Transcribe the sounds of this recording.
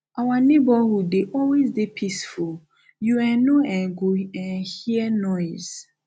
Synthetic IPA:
ʔawanebɔhudeʔɔlwezdepʰisful | juɛ̃nõɛ̃nɡoɛ̃nhiɛnɔɪz̥

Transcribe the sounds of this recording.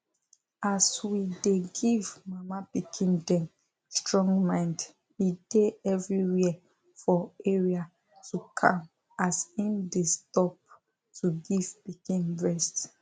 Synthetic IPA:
aswideɡivmamapikʰĩndɛ̃n | stɹɔ̃ŋɡmãɪ̃nd | ideɛvɹiwi | fɔeɹia | tʰukʰã̰m | asĩmdestɔp̚ | tuɡiv̥pikĩnɹɛst

